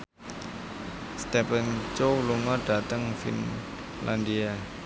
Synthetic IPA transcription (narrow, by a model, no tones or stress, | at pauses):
st̪ɛpənt͡ʃowluŋɔɖ̥at̪əŋfḭn | lʔandia